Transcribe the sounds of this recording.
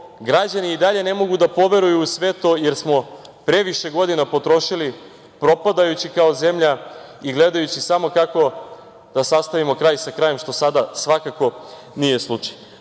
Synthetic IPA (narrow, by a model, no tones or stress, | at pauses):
ɡɾad͡ʑaniːd̪aʎe̞ne̞mo̞ɡud̪apo̞ʋe̞ɾujusʋe̞t̪o̞jeɾsmo̞ | pɾe̞ʋiʃe̞ɡo̞d̪inapo̞t̪ɾo̞ʃili | pɾo̞pad̪ajut͡ɕikao̞ze̞mʎaiɡle̞d̪ajut͡ɕisamo̞kako̞ | d̪̥asast̪aʋimo̞kɾajsakɾaːjemʃt̪o̞sad̪asʋakako̞ | nije̞slˠut͡ʃḁj